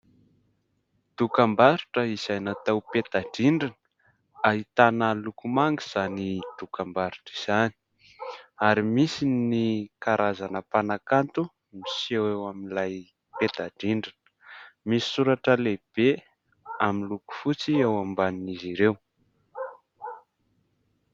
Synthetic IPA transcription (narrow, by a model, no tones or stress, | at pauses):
d̪̥ukambaɾiʈ͡ʂəiz̥ajnat̪awpet̪aɖ͡ʐiɳɖ͡ʐinə̥ | aɦit̪anəlukumaŋɡiz̥anid̪̥ukambaɾu̥ʈ͡ʂiz̥ani̥ | aɾimisinikaɾazanəpanakant̪u | misewewaminlaj | pet̪aɖ͡ʐiɳɖ͡ʐinə̥misi̥suɾaʈ͡ʂəleb̥e | aminluku̥fut͡siewambaniniziɾew